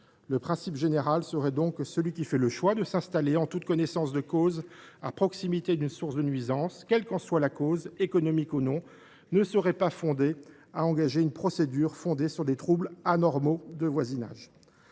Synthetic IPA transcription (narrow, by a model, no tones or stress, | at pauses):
ləpχɛ̃sipʒeneʁalsəʁɛd̪ɔ̃ksəlɥikʲifɛləʃwad̪əsɛ̃st̪aleɑ̃t̪ut̪kɔnɛsɑ̃sd̪əkozapχɔksimit̪ed̪ynsuʁsd̪ənɥizɑ̃skʲɛlkɑ̃swalakozekɔnɔmikonɔ̃ | nəsəʁɛpafɔ̃d̪e | aɑ̃ɡaʒeynpχɔsed̪yʁfɔ̃d̪esyʁd̪et̪χublanɔʁmod̪əvwazina̰ʒ